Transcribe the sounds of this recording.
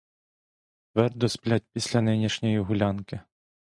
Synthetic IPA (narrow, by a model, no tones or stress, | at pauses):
t̪ʋɛrd̪ɔsplʲat̚ʲpʲisʲlʲɐnɪnʲiʃnʲɔjiɦʊlʲankɪ